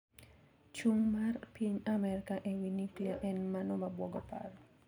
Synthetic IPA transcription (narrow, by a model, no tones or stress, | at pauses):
t͡ʃuŋmarpiɲamɛɾkaʔewinikliaʔɛnmanɔmabwɔɡɔpa̰r